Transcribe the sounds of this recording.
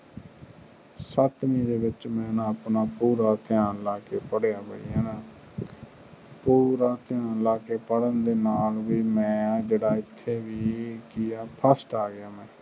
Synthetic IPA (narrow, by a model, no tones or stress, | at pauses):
sət̪mĩːd̪eːbɪt͡ʃmɛ̃ːnaəpnaːpuːɾaːt̪ɪjaːnlaːkeːpəɽejaːbə̰ḭːaːnaː | puːɾaːt̪ɪjaːnlaːkeːpəɽənd̪eːnaːlʋiːmɛ̃ːd͡ʒeːɽaːɪt̪ʰːeːʋiːkɪjaːpʰəsʈaːɡɪjaːmɛ̃ː